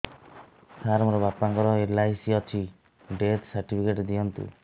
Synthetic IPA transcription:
sʰaɾɔmɾɔbapaŋkɔɾɔelaisiɔt͡ʃʰi | ɖet̪saɾʈipʰikeʈd̪ijɔnt̪ṵ

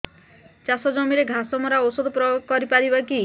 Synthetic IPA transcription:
t͡ʃasɔd͡ʒɔmiɾeɡʱasɔmɔɾaowsod̪ʱɔpɾɔkɔɾipaɾibaki

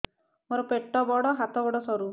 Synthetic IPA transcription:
mɔɾɔpeʈːɔbɔɽɔɦat̪ɔbɔɽɔsɔɾu

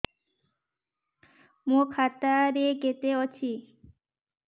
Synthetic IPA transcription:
mokʰat̪aɾeket̪eɔt͡ɕʰi

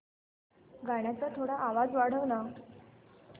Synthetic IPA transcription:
ɡaɽ̃jat͡sat̪ʰoɽaʔːʋad͡zʋaɽ̤əʋna

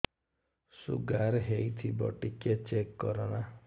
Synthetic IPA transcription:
sṵɡaɾɦejt̪ʰibɔ̰ʈiket͡ʃekːɔɾɔna

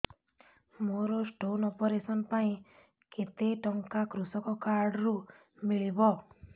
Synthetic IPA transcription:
moɾɔsʈonɔpɔɾesɔnpaĩ | ket̪eʈɔŋkakɾusɔkɔkaɾɖɾu | miɭibɔ

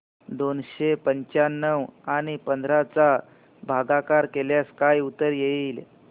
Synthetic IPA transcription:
d̪onɕepəɲt͡ɕanːəwaɽ̃ipənd̪ʱɾat͡sa | bʱaɡakaɾkeljaskajut̪əɾjeil

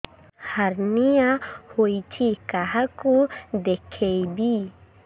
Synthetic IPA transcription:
hɐɾnijahoit͡ʃʰikaɦakud̪ekʰeibi

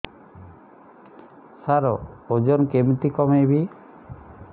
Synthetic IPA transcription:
saɾɔod͡ʒɔnkemit̪ikɔmebi

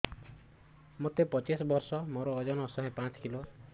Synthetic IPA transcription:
mot̪epɔt͡ʃisɔbɔɾsɔmoɾɔːd͡ʒɔnɔsɔɦẽpãt͡ʃɔ̥kilo

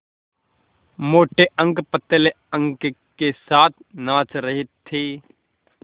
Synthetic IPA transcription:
moːʈeʔə̃ŋɡpət̪ːele | ə̃ŋɡkesaːt̪ʰnãːt͡ʃɾəɦɪt̪ʰːeː

